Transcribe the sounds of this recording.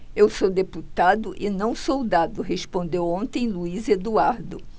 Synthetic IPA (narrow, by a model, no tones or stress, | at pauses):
ewsod̪eput̪ad̪ʊʔɪnɐ̃w̃sowd̪ad̪ʊɦespõnd̪ewõnt̪ẽj̃luized̪uaɾd̪ʊ